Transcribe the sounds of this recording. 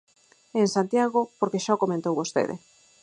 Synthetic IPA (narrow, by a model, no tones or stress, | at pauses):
eŋsant̪jaɣopoɾkeʃaokomẽnt̪owβost̪ḛðḛ